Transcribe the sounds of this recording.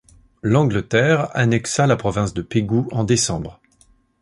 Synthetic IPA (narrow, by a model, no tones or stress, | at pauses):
lɑ̃ɡlət̪ɛʁa̰nɛksalapχɔvɛ̃sd̪əpeɡuɑ̃d̪esɑ̃bʁ